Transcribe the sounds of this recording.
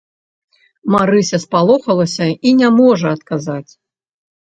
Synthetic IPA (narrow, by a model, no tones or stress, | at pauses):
maɾɨsʲɐspalˠɔxɐlˠɐsʲɐinʲamɔʐɐɐt̪kazat͡sʲ